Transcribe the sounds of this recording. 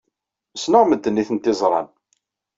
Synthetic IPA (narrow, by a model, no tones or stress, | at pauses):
snʊʁməd̪ːənːiθənt̪ɪzˤɾˤɑ̰n